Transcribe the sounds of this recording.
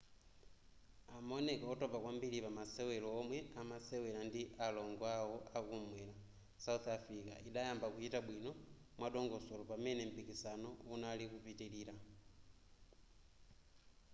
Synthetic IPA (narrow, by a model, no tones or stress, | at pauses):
amonekaotopakwambilipamasewɛloːmwɛamasewɛlandiʔaloŋɡwawoakumwɛla | sauθafɾika̰ʔiɗajambakuhitabwino | mwaɗoŋɡosolopamɛnɛm̩pikisanounalikupitilila